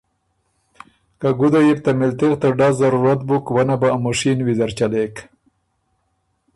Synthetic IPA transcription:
kaɡud̪ajip̚t̪amɪlt̪ɪɣt̪aɖɑzaɾuɾat̪̚bukwanabaamoʂinwizaɾt͡ʃalek

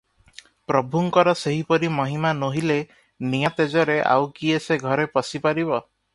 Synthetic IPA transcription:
pɾɔbʱuŋkɔɾɔseɦipɔɾimɔɦimanoɦile | nijat̪ed͡ʒɔɾeʔa̰wkieseɡʱɔɾepɔsipaɾibɔ

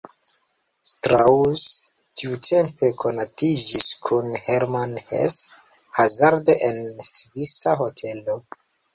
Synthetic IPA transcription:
stɾaus | tʰiutʰe̞mpe̞kʰo̞natid͡ʒiskʰunheɾmanhḛs | hazaɾdeʔensvisaɦo̞tʰe̞lo̞

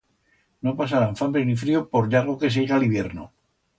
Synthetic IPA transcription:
no̞pas̬aɾaɱfambɾenifɾiopo̞ɾʎaɾɣoke̞s̬eiɣaliβjeɾno̰

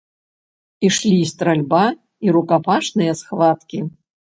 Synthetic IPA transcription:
iʂlʲiːst̪ɾalʲba | iɾukapaʂnɨjɛsxvat̪kʲi

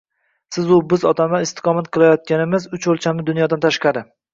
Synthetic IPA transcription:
sɪzʊbɪzɒt̪ʰamaɪst̪ɪ̥qʰɒmat̪qʰɨlˠajɒt̪̚kʲanɪmɪzʊt͡ʃolˠt͡ʃʰamnɪd̪ʊnjɒd̪ant̪ʰaʃqɑɾɪ

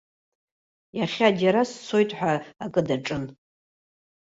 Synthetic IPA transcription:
jaχʲadaɾast͡sʰo̞jtʼħʷᶣaakʼɨdaʈ͡ʂʼɨn

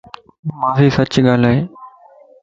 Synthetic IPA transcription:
mãːfiːsɐt͡ɕɠaːl̤aːɦeː

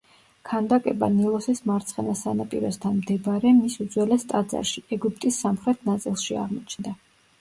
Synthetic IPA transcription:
kʰand̪akʼɛba̰nilˠɔsismaɾt̪sʰχɛnasanapʼḭɾɔst̪ʰanmd̪ɛbɾɛmisud̪zwɛlɛst̪ʼad̪za̰ɾʃiɛɡup̚ʰt̪ʼisːamχɾɛt̪ʰnat̪sʼilˠʃia̰ʁmɔt͡ʃʰnd̪a

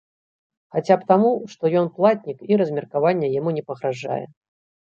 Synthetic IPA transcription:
xat͡sʲapt̪amuʂt̪ɔjɔnplˠat̪ʲnʲikiɾɐzʲmʲɛrkavanʲːɛjamunʲɛpɐɣɾaʐa̰jɛ̰

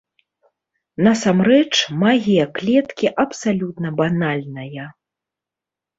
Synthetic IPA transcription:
nɐsamrɛt͡ʂmaɣʲijɐklʲɛt̪kʲiʔɐpsalʲut̪nɐbanalʲnɐjɐ

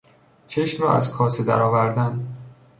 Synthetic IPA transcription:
t͡ʃʰeʃmɾɒ̰ːʔæ̰zkʰɒːsed̪æ̰ɾɒːvæɾd̪æn

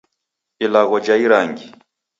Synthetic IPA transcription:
ilaɣɔd͡ʒaiɾaŋɡi

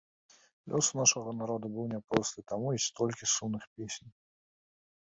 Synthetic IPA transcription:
lʲʔɔsunaʂɐɣɐnaɾɔd̪ubɨwnʲapɾɔst̪ɨt̪amuisʲt̪ɔlʲkʲisumnɨxpʲesʲnʲ

